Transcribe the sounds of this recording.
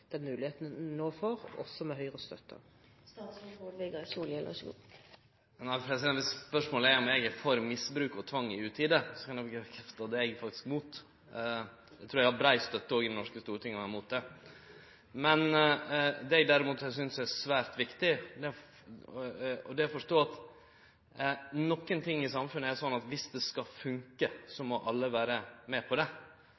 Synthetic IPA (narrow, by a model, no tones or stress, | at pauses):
d̪̥ɛnmʉːlɪheːt̪n̩noːfoːɾɔ̰sːɔmɛhœʏɾəst̪œt̪ʰːə̰ | næɪpʰɾɛsɪd̪ɛnʋɪspœʂmoːləæɾɔmjɛɡɛfɔɾmɪsbɾʉːkɔt̪ʰʋɑŋːɪʉːt̪ʰiːd̪əsɔkʰɑnɛbkkʰɛft̪ɑd̪ɛɛɡfɑk̚t̪ɪ̥skmuːt̪ | d̪ɛt̪ʰɾuːɾjɛɡhɑɾbɾæɪst̪œt̪ːəɔːɡɪd̪ɛnɔʂkəst̪uːɾət̪ɪŋːəɑmuːt̪̚d̪ɛ | mɛn | d̪ɛɛɡd̪æɾɪmuːt̪ɛɡs̬ʏnsd̪ɛæsʋæːɾt̪ʋɪkt̪ɪd̪ɛ | ɔd̪ɛɔfɔʂtoːɑt̪ | nɔkːənt̪ʰɪŋːɪsɑmfʉnːəæɾsɔnːɑt̪ʋɪsd̪ɛskɑfʉŋkəsɔmɔʔɑlːəʋæːɾəmɛpʰɔd̪ɛ